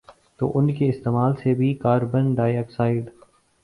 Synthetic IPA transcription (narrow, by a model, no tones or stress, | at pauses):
t̪o̰ːʔʊnkeɪst̪eːmaːlsebʱikaːɾbə̃nɖaːjəːksaːɪɖ